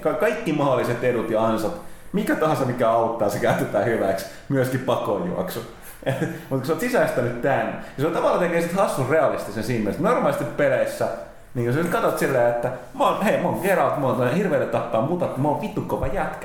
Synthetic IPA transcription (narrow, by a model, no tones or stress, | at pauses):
kɑkɑikːimɑholiset̪edut̪jɑɑnsɑt̪mikæt̪ɑhɑ̃nsɑmikæɑut̪ːɑːsekæyt̪et̪æːhyʋæks | myøskippɑkojṵɑ̰ksu | mut̪kuseot̪sisæst̪ænyt̪t̪æːny̰jɑseot̪ɑʋɑlːˑɑt̪ekeːsit̪hɑsːurreɑlist̪isensiːmmiølst̪normɑlisest̪ippeleisːæ | niːŋkusesit̪kɑt̪ot̪silːæjet̪ːæ | monheimoːŋkeɾɑlt̪monhirʋeˑːt̪et̪t̪ɑt̪ːɑːmuːt̪ɑt̪ːimoːʋʋit̪ːukːoʋɑjæt̪kæ̥